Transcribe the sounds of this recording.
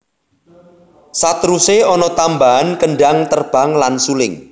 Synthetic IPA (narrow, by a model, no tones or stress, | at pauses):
sat̪ɾuseɔnɔt̪ambaɦankəɳɖaŋt̪ərb̥a̤ŋlansulɪŋ